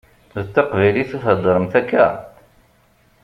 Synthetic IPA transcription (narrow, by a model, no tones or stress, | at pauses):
ðət̪ːɑqvæjliθuθəd̪ˤːɾəmθækːæ